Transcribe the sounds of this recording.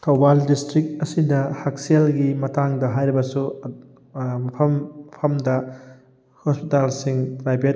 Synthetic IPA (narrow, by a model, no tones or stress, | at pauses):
tʰɐwbaldistɾik̚tɐsidɐhak̚selɡimɐtaŋdɐɦajɾibɐsu | mɐpʰɐmpʰɐmdɐ | hospitalsiŋpɾajbʱet̚